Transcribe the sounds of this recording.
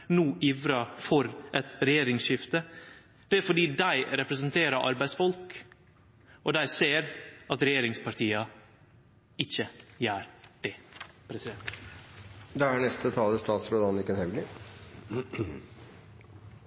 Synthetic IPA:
nuːʔɪfɾɑːfɔɾʔɛt̪ɾɛjeːɾɪŋʃɪft̪ə | d̪̥ɛæɾfɔɖiːd̪æɪɾɛpɾəsənt̪ʰeːɾəɾʔɑ̰ɾbæɪsfɔlk | ʔɔd̪æɪseːɾɑt̪ɾɛjeːɾɪŋspʰɑɾʈ̪iːɑ | ɪçəjæːɾɖ̥ɛpʰɾɛsɪd̪ɛnt̪ | d̪ɛænɛst̪ət̪ʰɑːləst̪ɑːt̪sɾoːd̪ɑnɪkːɛnhɛʋlɪ

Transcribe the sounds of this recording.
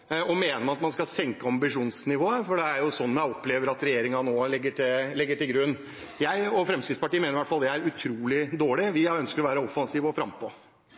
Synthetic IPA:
ɔmeːnəɾmɑnɑt̪mɑnskɑsɛŋkəɑmbɪʂuːnsnɪʋoːəfɔɖɛæɾjʊsɔnːmæɔpːleːʋəɾɑt̪ɾɛjeːɾɪŋɑnoːlɛɡːəʈʰɪlɛɡːəʈɪlɡɾʉnː | jæɪɔfɾɛmskɾɪt̪spɑʈiːəmeːnɾɪʋæʈfɑld̪ɛæɾʉt̪ʰɾuːlɪd̪oːɭɪʋɪœnskəɾɔʋæːɾəɔfɑnsiːʋɔfɾɑmpɔ

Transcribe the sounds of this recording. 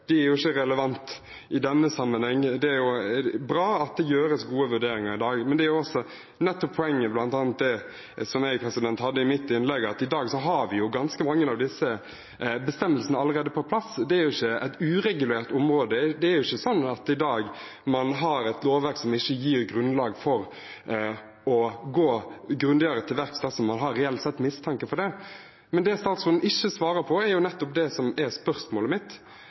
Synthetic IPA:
d̪̥ɛæɾjʊɪçːəɾɛləʋɑnt̪ | ɪd̪ɛnːəsɑmːənhɛŋːd̪ɛæɾjʊbɾɑːɑt̪̚d̪ɛjøːɾəsɡuːəʋʉɖeːɾɪŋɑɾɪd̪ɑːɡmɛnd̪ɛæɾjʊɔsɔ | nɛt̪ːɔpʰːɔɛŋːəblɑnt̪ɑːnt̪̚d̪ɛ | sɔmæpʰɾɛsɪd̪ɛnt̪hɑd̪ːəɪmɪt̪ːɪnlɛɡːɑt̪ɪd̪ɑːɡsɔɦɑɾʋɪjʊɡɑnskəmɑŋːənɑʋd̪ɪsːə | bəst̪ɛmːəlsənəɑlːəɾeːd̪əpʰɔpʰlɑsd̪ɛæɾjʊɪçːəɛ̰t̪ʉːɾɛɡʉleːʁt̪ʊmɾoːd̪əd̪ɛːɾjʊɪçːəsɔnːɑt̪ɪd̪ɑːɡ | mɑnɦɑɾɛɪt̪loːʋʋæɾksɔmɪçːəjiːʁɡɾʉnlɑːɡfɔɾ | ɔɡoːɡɾʉnd̪eːɾət̪ʰɪlʋæɾksd̪ɛsɔmːɑnɦɑɾːɛɛlt̪sɛt̪ːmɪst̪ʰɑŋkəfɔɾdɛ | mɛnd̪ɛst̪ɑːt̪sʊnn̩ɪçːəsʋɑːɾəpʰɔæɾjʊnɛt̪ːɔp̚d̪ɛsɔmɛɾspœɾsmoːləmɪt̪ː

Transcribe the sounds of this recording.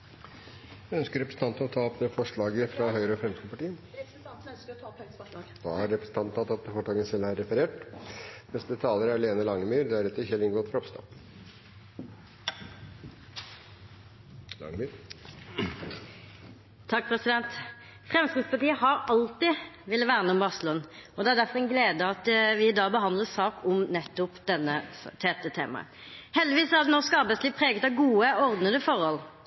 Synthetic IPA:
jæœnskəɾɛpɾəsət̪ɑnt̪ən̩ɔt̪ʰɑːɔpməfɔʂɭɑːɡəfɾɑɦœʏɾəɔfɾɛmsk̪əəpʰɑʈiːə | d̪̥ɑ̰ːæɾɾɛpɾə̥sət̪ɑnt̪ɑt̪ːɑt̪̚əfɔʈɑːɡənəsɛlhɑɾɛfəɾeːʈ | nɛsd̪ət̪ʰɑːləɾæɭeːnəlɑŋːəmyːɾd̪ææɾɛt̪ːəçɛlːɪŋɡɔːt̪fɾɔpst̪ɑ̰ | lɑ̰ŋmyɾ | t̪ʰɑk̚ːpʰʁɛsɪd̪ɛnt̪ | fʁɛmst̪ɪd̪spɑʁt̪iːəhɑɾɑlt̪ɪʋɪlːəʋæːʁənəʊmbɑʁsəlʊnɔd̪ɛæʁɖ̪æɾfɔʁɛɪnɡleːd̪əɑt̪ʋɪɪd̪ɑːbəɦɑnd̪ləsɑːkʰɔmnɛt̪ːʊpd̪ɛnːət̪ʰɛːt̪ət̪ʰḛːmɑ̰ə̰ | hɛld̪ɪʋiːsɔæɾd̪ɛnɔʂkɑɾbæɪsliːʋpʰɾeːɡət̪ɑʋɡuːəɔʁd̪nəd̪əfɔʁhɔl

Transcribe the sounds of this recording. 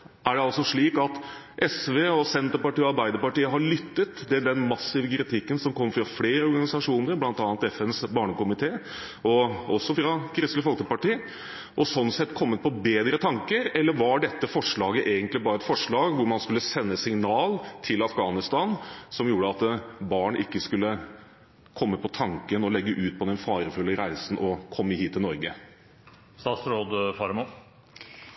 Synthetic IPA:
ʔæɖɛɑlsɔʂɭiːkɑt̪ | ʔɛsʋeːɔsɛnt̪əɾpɑʈiːɔɑɾbæɪd̪əɾpɑʈiːəɦɑɭʏt̪ːət̪d̪ɪld̪ɛnmɑsːɪʋəkʰɾɪt̪ʰɪkːənsɔmkʰɔmːfɾɑfleːɾəɔɾɡɑnɪsɑʂuːnəɾblɑnt̪ɑːnt̪ɛfɛnsbɑːɳəkʊmɪt̪ʰeː | ɔɔsːɔfɾɑkʰɾɪsləfɔlkəpɑʈiː | ʔɔsɔnːsɛt̪ːkʰɔmːət̪̚pʰɔbeːd̪ɾət̪ʰɑŋkəɾɛlːəɾʋɑɖɛt̪ːəfɔʂɭɑːɡəʔeːɡənt̪lɪbɑːɾəɛt̪fɔʂɭɑːɡʋʊɾmɑnskʉlːəsɛnːəsɪŋnɑːlt̪ʰɪlɑfɡɑːnɪst̪ɑnsɔmjuːɖəɑt̪bɑːɳʔɪkːəskʉlːə | kʰɔmːəpʰɔt̪ʰɑŋkənɔlɛɡːəʔʉːt̪̚pʰɔd̪ɛnfɑːɾəfʉlːəɾæɪsn̩ʔɔkʰɔmːəhiːt̪ʰːɪlnɔɾɡə | st̪ɑːt̪sɾoːd̪fɑɾmo

